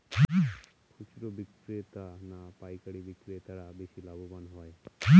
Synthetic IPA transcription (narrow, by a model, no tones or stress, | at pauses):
kʰut͡ʃiɾobikɾet̪anapajkaɽibikːɾet̪aɾabeʃilabobanɦɔe